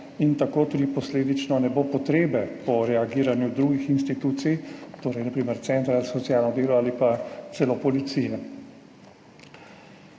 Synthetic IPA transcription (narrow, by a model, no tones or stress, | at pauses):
int̪akoːt̪uːd̪ipɔsleːd̪it͡ʃnɔnɛboːpɔt̪ɾeːbɛpɔɾɛaɡiːɾanjud̪ɾuːɡixinst̪it̪uːt̪sijt̪oːɾɛjnapɾiːmɛɾt̪sɛnt̪ɾazasɔt̪sjaːlnɔd̪eːlɔaːlipat̪sɛlopɔlit̪siːjɛ